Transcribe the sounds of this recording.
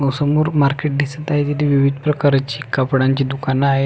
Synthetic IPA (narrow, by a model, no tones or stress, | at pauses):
əwsəmoɾmaɾkeʈ̚d̪isət̪aɦit̪it̪iʋiʋid̪ʱpɾəkaɾat͡ɕiːkapɽãɲt͡ɕiːd̪ukanaɦe